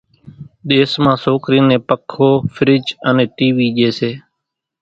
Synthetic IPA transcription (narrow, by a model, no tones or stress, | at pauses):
ɗ̪eːsmãːsoːkɾiːnẽːpəkʰoːfʰɾɪd͡ʒəneːʈiːʋiːʄeːseː